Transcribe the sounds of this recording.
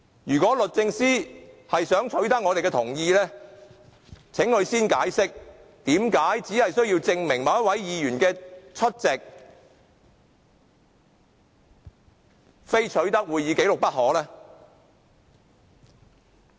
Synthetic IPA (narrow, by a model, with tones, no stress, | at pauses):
jyː˨˩kʷɔː˨˥lɵ˨t̚t͡sɪ˧ŋsiː˥hɐ˨jsœː˨˥ŋt͡ʃʰɵ˨˥ɥt̪ɐ˥k̚ŋɔː˨˧ɾe˨jkɛː˧t̪ʰʊ˨˩ŋjiː˧lɛː˥ | t͡sʰɪ˨˥ŋkɵ˨˧ɥsiː˥nkaː˨˥jsɪ˥k̚ | t̪iː˨˥mkaː˨˥jt͡siː˨˥hɐ˨jsɵ˥ɥji˧wt͡sɪ˧ŋmɪ˨˩ŋmɐ˨˧wjɐ˥t̚wɐ˨˥jjiː˨˧jyː˨˩nkɛː˧t͡ʃʰɵ˥t̚t͡sɛ˨k̚ | fe˥jt͡ʃʰɵ˨˥ɥt̪ɐ˥k̚wuː˨˧jːiː˨˧ke˨˥jlʊ˨k̚pɐ˥t̚ɦɔː˨˥lɛː˥